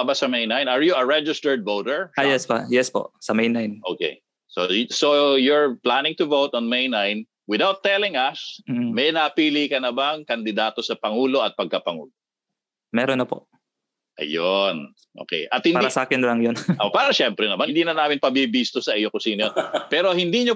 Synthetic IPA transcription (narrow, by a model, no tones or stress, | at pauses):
basɐmejnajnɐɹjuɐɹɛd͡ʒɪst̪ɛɹd̪̚vowd̪ɛɹʔajɛspa̰jɛspo̰ʔsɐmɛjnajnʔoːkḛ | so̰sojʊɹplanɪŋt̪ʊvowt̪ɔnmejnajn | wɪðawt̪ːɛlɪŋɐs̩mɛjnɐpiːliːkɐnɐbɐŋkɐnd̪ɪd̪aːt̪o̞sɐpɐŋuːlo̞ɐt̪̚pɐɡ̚kɐpɐŋṵːlo | mɛɾonːɐpo̰ʔ | ʔɐ̰jon | ʔo̰ːkɛ̰jʔɐt̪̚hɪnpaːiɾasaːkɪnlɐŋjonopaːɾɐʃɛmpɾɛnɐmanɪnd̪iːnɐnaːmɪnpɐbibist̪osɐʔijokʊsiːnojonpɛːɾohɪnd̪iːɲo